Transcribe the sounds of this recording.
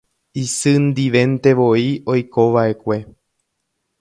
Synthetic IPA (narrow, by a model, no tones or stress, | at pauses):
isɨnd̪iʋẽ̞nt̪e̞ʋo̞io̞jko̞ʋaʔe̞kʷe̞